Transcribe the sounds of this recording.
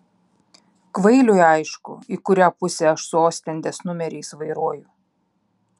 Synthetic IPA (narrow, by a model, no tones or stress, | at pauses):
kʋɐɪlʲʊjɐɪʃkʊ̰ikʊɾʲæːpʊsʲeɐʃsʊoːsʲt̪ʲɛnʲd̪ʲeːsnʊmʲɛɾʲɛɪsʋɐɪɾuɔjʊ